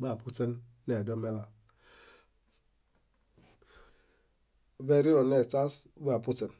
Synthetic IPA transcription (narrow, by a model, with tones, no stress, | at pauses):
ɡ͡ba˨pʰu˦te˦n˦ | ne˨dɔ˦me˦la˨ | ve˦˨ɾi˦ɾɔ˨ne˨ta˦sba˨pu˦te˨n˨